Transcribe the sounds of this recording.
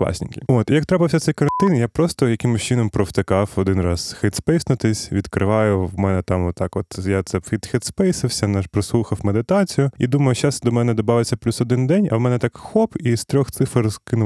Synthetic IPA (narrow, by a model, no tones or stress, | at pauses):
k̪ˠɑ̰sʲḭnkʲɪot̪ijɐk̚t̪ɾɑpɪwsʲɐt̪sɛjkɐɾɐnt̪ɪnjapɾɔst̪ɔjɐkɪmʊʃʲt͡ʃɪnɔmpɾɔwt̪ɪkɑfɔd̪ɪnrɑz̥xɛt̪spɛjsnʊt̪ɪsʲʋʲid̪kɾɪ̰ʋɑjʊwmɛnɛt̪ɑmɔt̪ːɑkɔt̪jat̪sɛfʲit̪xɛt̪spɛjsɪwsʲɐnɛʒpɾɔslˠuxɐwmed̪ɪt̪ɑt͡sʲijʊid̪umɐjʊʃasd̪ɔmɛnɛd̪ɔbɑʋɪt͡sʲːɐplʲusɔd̪ɪnd̪ɛnʲɐ̰wmɛnɛt̪ɑkxɔpist̪ɾʲɔxt̪sɪfɐrzkɪnʊ